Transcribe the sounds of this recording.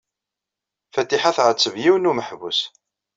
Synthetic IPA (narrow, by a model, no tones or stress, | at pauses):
fæt̪ːiħaθʁət͡sːəvjiwnuməħvus